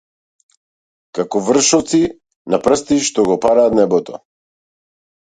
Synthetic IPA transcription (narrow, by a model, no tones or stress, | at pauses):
kakɔvr̩ʃɔt̪si | napɾəst̪iʃt̪ɔɡɔpaɾaːt̪nɛbɔt̪ɔ̰